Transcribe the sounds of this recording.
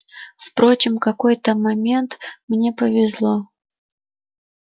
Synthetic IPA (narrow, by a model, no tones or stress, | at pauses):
fpɾo̞t͡ɕɪmkɐko̞jt̪əmɐmʲent̪mnʲe̞pəvʲɪzlˠo